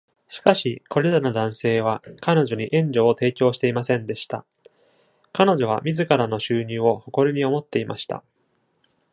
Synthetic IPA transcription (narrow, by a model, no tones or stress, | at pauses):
ɕi̥kaɕiko̞ɾe̞ɾano̞d̪ãɰ̃se̞ːβ̞akano̞ʑo̞ɲ̟iʔẽ̞ɲd͡ʑo̞ːt̪e̞ːkʲo̞ːɕi̥t̪e̞imasẽ̞nd̪e̞ɕi̥t̪a̰ | kano̞ʑo̞β̞amʲizɨkaɾano̞ɕɨːɲ̟ɨːo̞ho̞ko̞ɾʲɯɲ̟io̞mo̞t̪ːe̞ima̰ɕi̥t̪a̰